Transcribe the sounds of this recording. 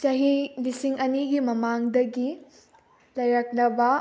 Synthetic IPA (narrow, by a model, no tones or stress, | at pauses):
t͡ʃɐɦibisiŋɐniɡimɐmaŋdɐɡi | lɐjɾɐk̚lɐbɐ